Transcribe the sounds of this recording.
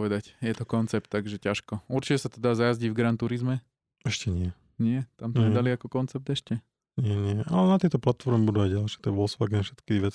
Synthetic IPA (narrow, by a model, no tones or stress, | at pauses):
ɔʋɛd̪acjɛt̪ɔkɔnt͡sɛp̚t̪ːaɡʒɛcaʃkɔuɾt͡ʃicɛsat̪ɔd̪aːzajazɟivɡɾant̪uɾizmɛ | ɛʃcɛɲɪɛ | ɲɪɛt̪amt̪ɔɲɛd̪aliakɔkɔnt͡sɛp̚t̪ɛʃcɛ | ɲɪɛɲɪɛalɛnat̪ɪɛt̪ɔplat̪fɔɾmɛbud̪uajɟalʃɛt̪ɛʋɔlsʋaɡɛnfʃɛt̪kiʋɛt͡s